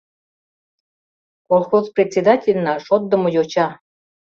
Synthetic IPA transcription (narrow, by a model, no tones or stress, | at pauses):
kolˠxozprʲet̪ʲsʲed̪ɑtʲelʲnɑʃot̪̚d̪ə̆mŏjot͡ɕɑ